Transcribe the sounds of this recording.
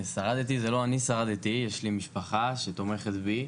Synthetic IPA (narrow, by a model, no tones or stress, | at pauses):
saʁad̪et̪izelo̞anisaʁad̪et̪ijeʃlimiʃpaχaʃet̪o̞me̞χet̪bi